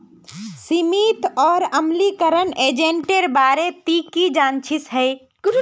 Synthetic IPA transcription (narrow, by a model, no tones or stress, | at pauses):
simiːt̪ɔːɾəmlikəɾəneːd͡ʒẽɳʈeɾbaːɾet̪iːkid͡ʒaːnt͡ʃʰɪsɦɛː